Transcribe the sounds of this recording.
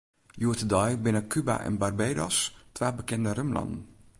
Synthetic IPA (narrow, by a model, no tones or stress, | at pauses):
juətədɔjbɪnəkyba̰ʔɛ̰nbarbeːdɔ̰stʋaːbəkɛndərømlɑ̰ndən̩